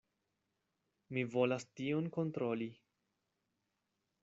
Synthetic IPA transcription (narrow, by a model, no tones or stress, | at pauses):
mivo̞lastionko̞ntɾo̞li